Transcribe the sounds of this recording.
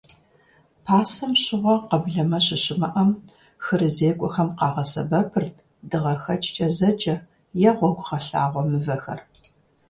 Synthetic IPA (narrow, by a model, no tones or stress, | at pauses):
pʰaːsɐmɕɪʁʷɔqɐbɮɐmɐɕɪɕɪmɐʔɐm | xɨrɨzeːkʷʼɔxɐmqɑːʁɐsɐ̰bɐpʰɨrt | dɨʁɐxɐt͡ʃʰʼt͡ʃʼɐzɐt͡ʃʼɐ | jɛʁʷɔɡʷχɐɬa̰ːʁʷɔmɨvɐxɐ̰r